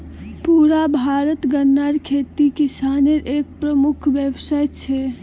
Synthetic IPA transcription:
puɾabʱaɾət̪ɡənːaɾkʰet̪ikisaneɾʔek̚pɾəmukʰʋjəʋsajt͡ʃʰɛ

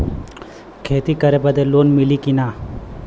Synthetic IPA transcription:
kʰeːt̪ikəɾebəd̪eloːnmɪlikinaː

